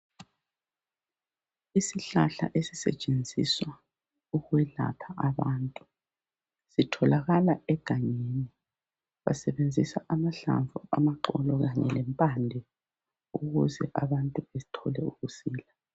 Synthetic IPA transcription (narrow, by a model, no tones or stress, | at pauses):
isiɬaɬa̰ʔesi̥sɛ̰t͡ʃʼend͡zʱiswa | uɣwɛɮa̰pʰaʔaβaːntʼu | sitʰɔlaɣalaɛɡ̥ʱaɲeni | βa̰sɛβend͡zʱisaʔamaɬa̰ɱvʱṵʔamaǁɔlɔɣaɲɛ̰lɛmpʼandʱɛ | uɣuzɛʔaβantʼuβetʰɔlɛuɣusiːla